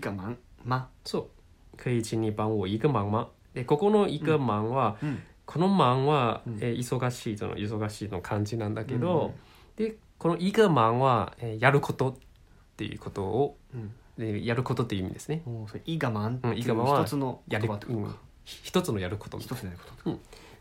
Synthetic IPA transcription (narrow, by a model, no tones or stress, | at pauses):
masoː | kʰɯ̟id͡ʑiɲ̟ibãɰ̃oːiɡɯmãmã | d̪e̞ko̞ko̞no̞iɡamãɰ̃βa | kʰo̞no̞mãɰ̃βaeːiso̞ɡaɕiːto̰no̰ʔis̬o̞ɡaɕiːt̪nokʰãɲ̟d͡ʑinãnd̪ake̞d̪o̞ | d̪̥e̞ | ko̞noʔiɡɯmãɰ̃βaeːjaɾɯ̟kʰo̞t̪o̞t̪ː | e̞̰jɯ̰ko̞t̪o̞ː | ejaɾɯ̟kot̪ot̪ːejiɯimid̪e̞sɨneiɡamãɯ̟̃iɡamãβt͡sɨnoaɾiɯ̃ | çi̥t̪o̞t͡sɨno̞jaɾɯko̞t̪õ̰